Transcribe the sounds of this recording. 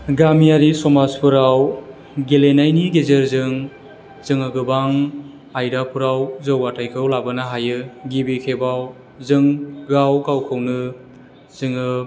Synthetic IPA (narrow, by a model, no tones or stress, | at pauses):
ɡamiaɾisɔmazpʰɯɾaw | ɡelenajniɡezeɾzɯŋ | z̥ɯŋɯɡɯbaŋ | ajdapʰuɾawzɯwatʰajkʰɯwlabɯnaɦajɯɡibikʰebaw | zɯŋɡawɡawkʰɯwnɯ | z̥ɯŋɯ